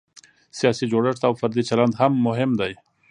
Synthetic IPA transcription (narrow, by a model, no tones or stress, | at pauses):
sijɑsid͡ʒoɽɪʂt̪awfaɾd̪it͡ʃaland̪hamːʊɦɪmd̪aj